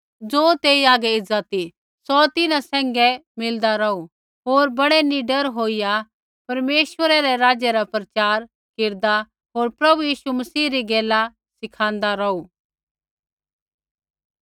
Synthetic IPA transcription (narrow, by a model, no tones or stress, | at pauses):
d͡zoːt̪eːiaːɡɛɪd͡zat̪i | sɔt̪ɪnãsɛ̃ːŋɡɛmɪld̪aɾɐu | ɦoːɾbɐɽɛniɖəɾɦoːija | pɐɾmeːʃʋəɾɛɾɛɾaːd͡ʒjɛɾapɾɐt͡ʃaːɾ | kɪɾd̪a | ɦoːɾpɾɐbujiːʃumɐsiːɾiɡɛːla | sɪkʰãːnd̪aɾɔu